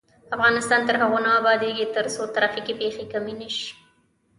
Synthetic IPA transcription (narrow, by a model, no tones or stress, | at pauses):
afɣɑnɪst̪ɑnt̪əɾɦaɣonaːbɑd̪eɡit̪əɾsot̪aɾɑfikipexekaminɪʃ